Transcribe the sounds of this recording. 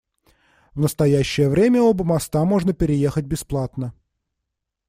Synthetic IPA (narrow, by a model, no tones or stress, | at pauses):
vnəst̪ɐjæɕːɪjəvɾʲemʲəobəmɐst̪amo̞ʐnəpʲɪɾʲɪje̞xət̚ʲbʲɪsplˠat̪nə